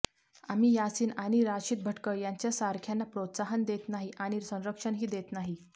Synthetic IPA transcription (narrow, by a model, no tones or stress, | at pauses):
amiːjasiːnaɽ̃iɾaɕiːt̪̚bʱəʈkəjaɲt͡ɕjasaɾkʰjanːapɾot̪saɦənd̪et̪naɦiʔaɽ̃iɾsə̃w̃ɾəkʂəɳɦiːd̪et̪naɦi